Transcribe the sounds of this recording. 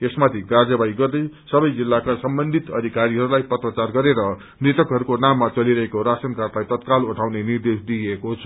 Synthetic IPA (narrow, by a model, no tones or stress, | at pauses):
esmat̪ʰiɡard͡zʌbaiɡʌrd̪ʌj | sʌbʌjd͡zilːakasʌmbʌnd̪ʱit̪ʌ̰d̪ʱikaɾiɦʌɾulajpʌt̪rʌt͡sarɡʌɾeɾʌ | nret̪ʌkɦʌɾukonamːat͡sʌliɾʌɦekoɾasʌnkarlajt̪ʌt̪kaluʈʰawnenird̪esd̪iekot͡sʰʌ̥